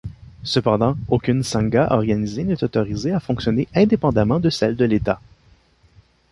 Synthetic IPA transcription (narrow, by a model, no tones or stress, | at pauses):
səpɑ̃d̪ɑ̃okʲynsɑ̃ɡaʔɔʁɡanizenɛt̪ɔt̪ɔʁizeafɔ̃ksjɔneʔɛ̃d̪epɑ̃d̪amɑ̃d̪əsɛld̪əlet̪a